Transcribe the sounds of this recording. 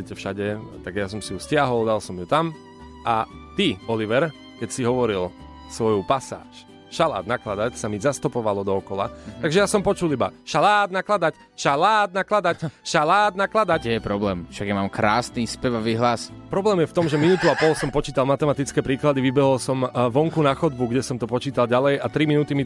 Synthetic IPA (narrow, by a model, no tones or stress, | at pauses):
ɛcɛfʃaɟɛt̪aɡjasɔmsijuscɪaɦɔld̪alsɔmjut̪am | ʔat̪iɔliʋɛɾ | kɛcsiɦɔʋɔɾil | sʋɔjupasa̰ːʃ | ʃala̰ːd̪̚naklad̪acsamizast̪ɔpɔʋalɔd̪ɔɔkɔla̰t̪aɡʒɛjasɔmpɔt͡ʃuliba̰ʃalaːd̪naklad̪ac | ʃalaːd̪̚naklad̪acʃalaːd̪naklad̪acɛjɛpɾɔblɛːmfʃaɡjamamkɾaːsnispɛʋɔʋiɦlaspɾɔblɛːmjɛft̪ɔmʒɛminuːt̪uapɔlsɔmpɔt͡ʃiːt̪almat̪ɛmat̪it͡skɛːpɾiːklad̪iʋibɛɦɔlsɔmʋɔŋkunaxɔd̪̚buɡɟɛsɔmt̪ɔpɔt͡ʃiːt̪alɟalɛjat̪ɾiminut̪imi